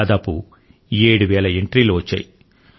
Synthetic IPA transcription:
d̪aːpṵ | eːɽuʋɛːɭɐeɳʈɾiːluʋɐt͡ʃːa̰ːji

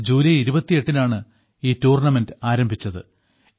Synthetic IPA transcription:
d͡ʑuːlijiɾubɐt̪ːije̞ʈːinaːɳɨ | iːtuːrɳɐme̞ndɨaːɾɐmbʱit͡ɕːɐðɨ

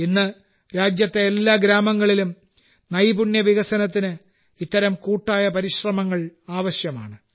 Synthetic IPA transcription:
inːɨ | ɾaːd͡ʑjɐt̪ːe̞elːaːɡɾaːmɐŋːɐɭilum | nɐjbuɳjɐʋiɣɐsɐnɐt̪ːinɨ | it̪ːɐɾɐmkuːʈːaːjɐpɐɾiɕrɐmɐŋːɐɭaːʋɐɕjɐmaːɳɨ

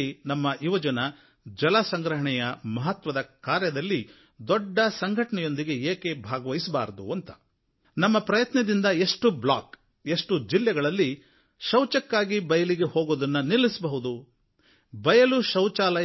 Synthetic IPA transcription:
inɐmːɐiʋɐd͡ʒɐnɐ | d͡ʒɐlɐsɐŋɡɾɐɦɐɳɛjɐmɐɦɐt̪ʋɐd̪ɐkaːɾjɐd̪ɐlːi | d̪ɔɖːɐsɐŋɡʱɐʈɐɳɛjo̞nd̪iɡe̞eːkebʱaːɡɐʋɐjisɐbaːɾɐd̪ṵɐnt̪ɐ̥ | nɐmːɐpɾɐjɐt̪nɐd̪ind̪ɐe̞ʂʈublaːk | e̞ʂʈud͡ʒilːɛɡɐɭɐlːi | ʃɐwt͡ʃɐkːaːɡibɐjɐliɡe̞hoːɡoːd̪ɐnːɐnilːisɐbɐɦud̪u | bɐjɐluʃɐwt͡ʃaːlɐ

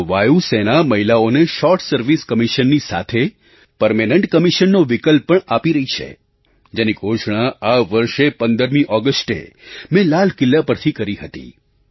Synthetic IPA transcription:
ʋajusenaməɦilaoneʃɔɾʈsəɾʋiskəmiʃənːisa̰t̪ʰe | pəɾmenəɳʈkəmiʃənːoʋɪkəlpːəɳapiɾəɦit͡ʃʰḛ | d͡ʒeniɡʱoʃɳ̃aaʋəɾʃepə̃nd̪əɾmĩʔɔɡəsʈḛmɛ̃lalkɪlːapəɾt̪ʰikəɾiɦət̪ḭ

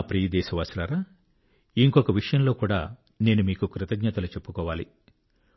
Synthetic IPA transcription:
pɾiːɐd̪ɛːʃɐʋaːsɾaːɾaː | iŋkɔkɐʋiʂɐjɐmlo̞ːkuːɽa̰ː | ne̞ːnumiːkukɾɪt̪ɐɡɲɐt̪ɐlut͡ʃe̞pːukɔːʋaːlḭ

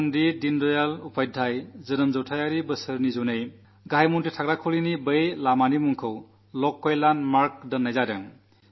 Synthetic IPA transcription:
ndidindɔjalupʰajdʱːajzɯnɯmzɔwtʰajaɾibɯsɯɾnizunɯj | ɡajmunditʰaɡɾakʰulinibəjlamanimuŋkʰɯw | lɔkːɔjlanmaɾk̚dɯnajzadɯŋ

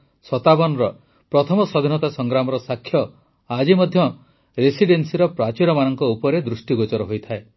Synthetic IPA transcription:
sɔt̪abɔnɾɔ | pɾɔt̪ʰɔmɔsɔd̪ʱinɔt̪asɔŋɡɾamɔɾɔsakʰːjɔ | ad͡ʒimɔd̪ʱjɔ | ɾesiɖensiɾɔpɾat͡ʃiɾɔmanɔŋkɔupɔɾed̪ɾusʈiɡot͡ʃɔɾɔɦojt̪ʰae

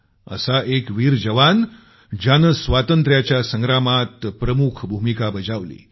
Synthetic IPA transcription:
ə̰saʔekʋiːɾd͡ʑəʋan | d͡ʑanəsʋat̪ənt̪ɾjat͡ɕjasəŋɡɾamat̪pɾəmukʰbʱumikabəd͡zaʋlḭː

